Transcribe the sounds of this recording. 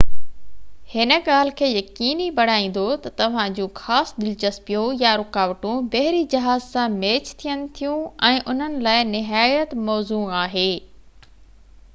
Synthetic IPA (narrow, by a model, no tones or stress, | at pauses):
hɪnə̆ɠaːl̤ɪ̆kʰeːjɐkiːnibɐɽ̤aːĩːn̆d̪ot̪ɐt̪ɐʋ̤ãd͡ʑũːxaːsd̪ɪlt͡ɕɐspijõjaɾʊkaːʋəʈũbɐɦɪɾid͡ʑɐɦaːzsãmeːt͡ɕt̪ʰijənɪ̆t̪ʰijũɛ̃ːʔʊn̤ənɪ̆laːɪnɪɦaːjət̪mɔːzuːaːɦeː